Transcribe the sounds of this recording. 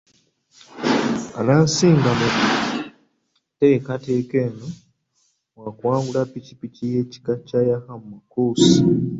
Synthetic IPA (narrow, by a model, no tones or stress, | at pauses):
a̰naːnsiːŋɡamu | te̞ːkateːkeːno | wakwaːɡulapicipicije̞ːci̥kacajahamumakuːsi